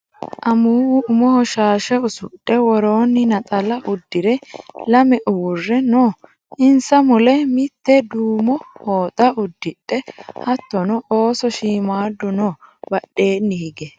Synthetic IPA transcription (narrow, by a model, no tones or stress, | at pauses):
ʔɐmuːwʊʊmɔhɔʃaːʃɛʊsʊ̰ɗːɛwɔɾo̞ːnːɪnɐt̪ʼɐlɐʔʊd̪ːɪɾɛlɐmɛʔʊwʊrːɛnoː | ʔɪnsɐmʊlɛmɪt̪ːɛd̪uːmɔhoːt̪ʼɐʊd̪ːɪɗːɛhɐt̪ːɔnɔʔoːsɔʃiːmaːd̪ːʊnɔbɐɗːe̞ːnːɪhɪɡɛ